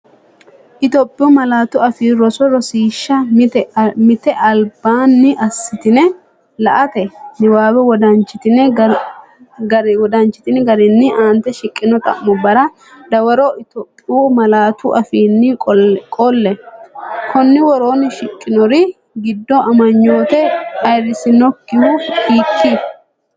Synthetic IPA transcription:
ʔɪt̪ɔpʼːɪjuːmɐlaːt̪ʊɐfiːɾɔsɔɾɔsiːʃːɐmmɪt̪ɛʔɐlbaːnːɪʔɐsːɪt̪ɪnɛ | lɐʔɐt̪ɛnɪwaːwɛwɔd̪ɐnt͡ʃːɪt̪ɪnɛ | ɡɐɾɔd̪ɐnt͡ʃːɪ̥t̪ɪnɛɡɐɾɪnːɪʔaːnt̪ɛʃɪkʼːɪnɔt̪ʼɐ̰ʔmɔbɐɾɐ | d̪ɐwɐɾɔʔɪt̪oːpʼːɪuːmɐlaːt̪ʊʔɐfiːnːɪkʼɔlːɛ | kʰɔnːɪwɔɾo̞ːnɪʃɪkʼːɪnɔɾɪ | ɡɪd̪ːɔɐmɐɲːo̞ːt̪ɛɐjrɪsɪnɔkːɪhʊkiːkʰːɪ

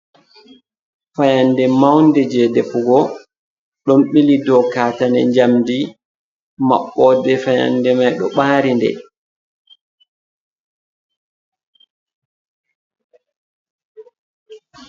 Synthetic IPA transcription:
fajandɛmawndɛd͡ʒɛdɛfuɡɔ | ɗɔmɓilidɔkaːtanɛ̰ɲd͡ʒamdi | ma̰ɓːɔdɛfaja̰ndɛmajɗɔ̰ɓaːɾindɛ̰

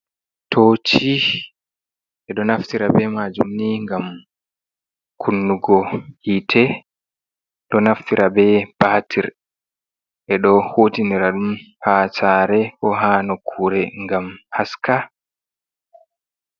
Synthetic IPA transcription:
tʰot͡ʃi | ʔɛɗɔnaftiɾabɛmad͡ʒṵmniŋɡam | kʰunːuɡɔhitʰɛ | ɗɔnaftiɾʔabɛb̥aːtʰiɾ | ʔɛɗɔhoːtiniɾaɗum | hat͡ʃaɾɛʔɔɦaːnɔkʰuːɾɛŋɡamhaska

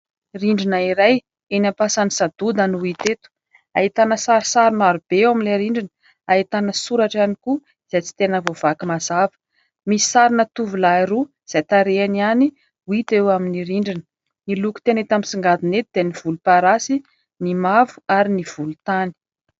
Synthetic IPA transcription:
riɳɖ͡ʐinaiɾaj | enampasanisad̪̥ud̪ənuit̪et̪u̥ | ait̪anəsaɾisaɾinaɾub̥ewaminleɾiɳɖ͡ʐinə | aɦit̪anəsuɾaʈ͡ʂaniku | iz̥ajt͡si̥t̪enəvov̥akimazavə̥ | misi̥saɾinət̪uvulaiɾu | z̥ajt̪aɾeaniani | wit̪ewaminiɾiɳɖ͡ʐinə̥ | niluku̥t̪enet̪amisiŋɡad̪inet̪̚id̪eniv̥ulupaɾasi | nimavu̥aɾiniv̥ulut̪ani̥

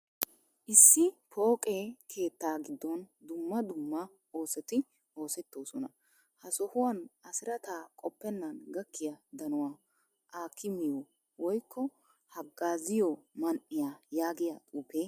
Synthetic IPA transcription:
ʔɪsːɪpʰo̞ːkʼeːkʰe̞ːt̪ːaːɡɪd̪ːɔnd̪ʊmːɐd̪ʊmːɐ | o̞ːsɛt̪ɪ | o̞ːsɛt̪ːo̞ːsɔnɐ | hɐsɔhʊwɐnɐsɪɾɐt̪aːkʼɔpːɛnːɐnɡɐkːɪjɐd̪ɐnʊwaː | ʔaːkʰːɪmɪjɔ | wɔjkːɔ | hɐɡːaːzɪjɔmɐnʔɪjajaːɡɪjat̪ʼuːpeː

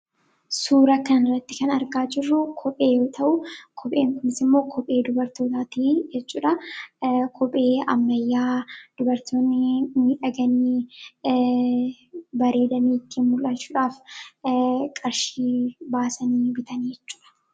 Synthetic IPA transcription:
suːɾɐkɐnrːɐt̪ːɪkɐnɐɾɡaːd͡ʒɪrːʊkʰɔpʼeːjo̞ːt̪ʰɐʔʊkʰɔpʼe̞ːŋkʊnɪsɪmːo̞ːkʰɔpʼe̞ːd̪ʊbɐɾt̪o̞ːt̪aːt̪iːd͡ʒɛt͡ʃːuːᶑɐ | kʰɔpʼe̞ːɐ̰mːɐjːaːd̪̥ʊbɐɾt̪ʰoːnːɪniᶑɐɡɐniː | bɐɾe̞ːd̪ɐniːt̪ːɪmʊlʔɐt͡ʃːuːᶑaːf | kʼɐɾʃiːbaːsɐniːbɪt̪ɐniːd͡ʒɛt͡ʃːu̥ːᶑɐ̥

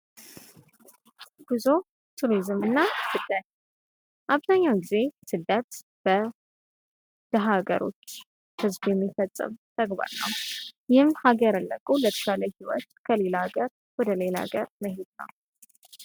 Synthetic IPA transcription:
b̥ɨzo | t̪ʰuɾizɨmɨnːasɨd̪ət̪ | ʔaβzaɲːawɡize̞sɨd̪ət̪ | b̥ə | d̪̥əɦaɡə̰ɾo̞̰t͡ʃː | hɨzbjɛmːifət̪ʼːɨ̰mt̪ʰʼəɡba̰ɾnə̰wjɪhɨmhaɡəɾalːəkʼulət̪ʰə̥ʃaləhiwɔ̰t̪kʰəle̞laɡəɾ | wɔd̪əle̞la̰ɡəɾməɦed̪nə̰w

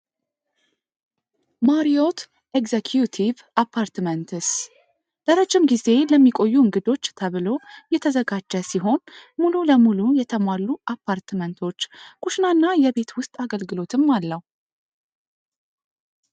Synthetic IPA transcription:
maɾiot̪ | ekzekʰjut̪ʰiv | apʰːaɾt̪mənt̪ʰɨs | d̪̥əɾad͡ʒːɪmɡize̞ləmːikʼo̞jːuɨŋɡɨd̪o̞t͡ʃːt̪ʰəβɨlo̞jɛt̪ʰəzəɡad͡ʒːəsiɦo̞nmululəmulujɛt̪ʰəmalːuʔapʰːaɾt̪mənt̪ʰo̞t͡ʃːkʰʼuʃnanːajɛβe̞t̪ʰwʊst̪ʼaɡəlɡɨlo̞t̪ʰɨmːalːəw

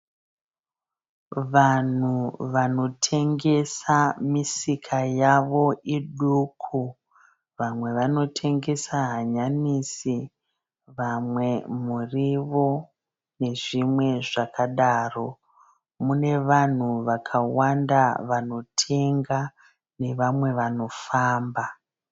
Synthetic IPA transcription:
ʋan̤uʋano̞tʰe̞ŋɡe̞samisikʰajaʋo̞iɗukʰu | ʋamwe̞ʋano̞tʰe̞ŋɡe̞saɦaɲanisi | ʋamwe̞muriʋo̞ | ne̞ʐimwe̞ʐakʰaɗaːro̞ | mune̞ʋan̤uʋakʰawandaʋano̞tʰe̞ŋɡa | ne̞ʋamwe̞ʋano̞faːmba

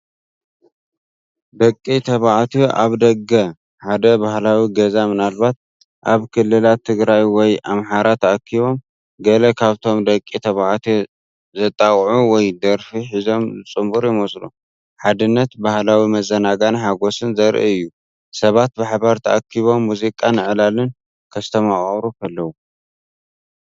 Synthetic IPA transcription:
d̪ɐkʼːit̪ʰɐβaʕat̪ʰiʔaβd̪ɐɡɐ | ħad̪ɐbahlawiɡɐzamɨnalβat̪̚ | ʔaβkʰɨlːɨlat̪ʰːɨɡɾajwɔjamħaɾat̪ʰɐakʰːiβo̞m | ɡɐlɐkʰaβt̪ʰo̞md̪ɐkʼːit̪ʰɐβaʕt̪ʰ | zɐt̪ʼawʼʕuwɔjd̪ɐɾfiħizo̞mzɨt͡sʼɨmbuɾjɪmɐsʼlṵ | ħad̪ɨnːɐt̪bahlawimɐzɐnaɡanħaɡo̞sɨnzɐɾʔḭɨjːu | sɐβat̪̚baħbaɾt̪ʰɐʔakʰːiβo̞mːuzikʼanɨʕlalɨn | kʰɐst̪ʰɐmaχʼɐβɾukʰɐlːɐwu

